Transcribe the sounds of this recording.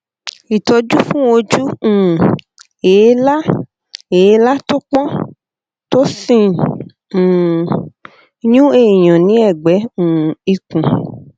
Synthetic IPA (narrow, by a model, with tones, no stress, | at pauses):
i˨tɔ˧d͡ʒu˦fũ˦o˧d͡ʒũ˦˨ | e˨˦la˦ | e˨˧˦la˦tu˦k͡pɔ̃˦ | to˦sĩ˦˨ | ɲũ˦e˦˨i˨j̃ɔ̃˨nĩ˨˦ɛ˦˨ɡ͡bɛ̃˨˦˨i˧kũ˨